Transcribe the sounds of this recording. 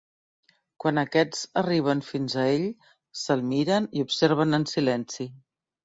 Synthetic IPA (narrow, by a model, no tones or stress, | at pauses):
kwanəkɛd͡zəriβ̞ənfinzəeʎ | səlˠmiɾəniupseɾβənənsilɛnsi